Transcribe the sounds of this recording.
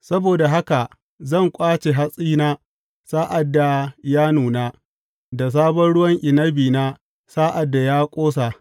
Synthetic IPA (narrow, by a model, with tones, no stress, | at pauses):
sɐ˦boː˨da˨ɦa˦ka˨ | zɐ˦˨ŋkʷʼaː˦t͡ʃe˨ɦa˦sʼiː˦naː˦ | saː˦ʔa˨dːa˨jaː˦nuː˨naː˦ | da˨s̬aː˦bɐ˦nɽʊ˦wɐ˦ŋʔɪ˨nɐ˦biː˨na˦ | saː˦ʔa˨dːa˨jaː˦kʷʼoː˦s̬a˨ʔ